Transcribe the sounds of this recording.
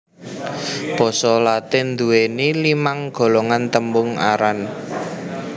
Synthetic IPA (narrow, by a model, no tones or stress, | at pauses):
b̥ɔ̤sɔlat̪ɪnd̪uwenilimaŋɡ̥o̤lɔŋant̪əmbʊŋa̰ɾan